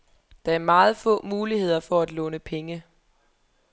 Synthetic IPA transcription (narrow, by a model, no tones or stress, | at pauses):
d̥ɑ̈æɐmɑ̈ːð̞̩ˠfɔ̰̽ːmuːlihe̝ð̞̰ˠɐfɒæd̥lɔ̽nəpʰeŋə